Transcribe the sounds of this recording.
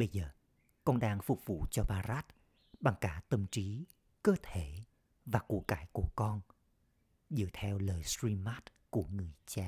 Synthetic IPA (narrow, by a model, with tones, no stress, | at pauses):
ɓə˧jzəː˨˩ | kɔ˧nɗaː˧ŋfʊ˨˩k͡p̚vṵ˧˨t͡ɕɔ˧ɓaː˧zaː˦˥t̚ | ɓa˨˩ŋkaː˧˩t̪ə˧mt͡ɕi˨˦ | kəː˧t̪ʰe˧˩ | vaː˨˩ku˧˩əkaː˧˦jku˧˩əkɔ˧n | zɨ̰˧˥ət̪ʰɛ˧wləː˨˩jsɹi˧maː˦˥t̚ku˧˩əŋɨ˨˩əjt͡ɕaː˧